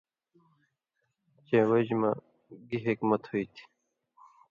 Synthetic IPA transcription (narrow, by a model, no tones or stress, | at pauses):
t͡ɕeːwəd͡ʑma | ɡiɦikmʌt̪hoit̪ʰi̥